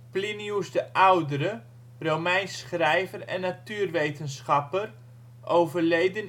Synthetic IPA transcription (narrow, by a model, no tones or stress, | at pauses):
pliniusdəʔawdəɾə | rowmɛjnsχrɛjvərɛ̰nːatyːrʋejtənsχɑpər | ʔowvərlejdən